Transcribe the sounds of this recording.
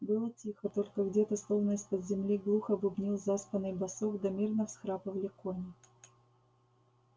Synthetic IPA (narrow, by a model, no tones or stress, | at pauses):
bɨlˠətʲixət̪o̞lʲkəɡdʲet̪əslˠovnəsʲt̪̚ʲpəd̪zʲɪmlʲiɡlˠuxəɐbʊbnʲilˠzaspənɨjbɐsokd̪ɐmʲirnəfsxɾapəvlʲɪkonʲɪ